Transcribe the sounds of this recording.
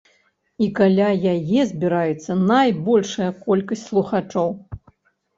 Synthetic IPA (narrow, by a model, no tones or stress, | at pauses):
ikalʲajajɛzʲbʲiɾajut̪sːɐnajbɔlʲʂɐjɐkɔlʲkɐsʲtʲslˠuxat͡ʂɔw